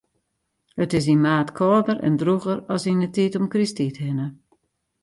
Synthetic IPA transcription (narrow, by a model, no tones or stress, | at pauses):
hətɪs̬inmaːtkʰɔːdərɛ̰ndruɣəɾɔsinətitɔmkristithɪnə